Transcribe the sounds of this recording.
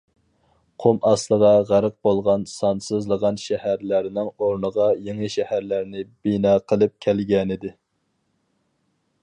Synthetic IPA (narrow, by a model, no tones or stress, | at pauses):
qʰomɑslˠəʁɑʁæɾəq̚bolˠʁɑnsɑnsɨzlˠəʁɑnʃɛhæɾlæɾnɪŋoɾnəʁɑjeŋɪʃɛhæɾlæɾnɪbinɑːqʰəlˠɨp̚kʲʰælɡʲɛnɪd̪ɪ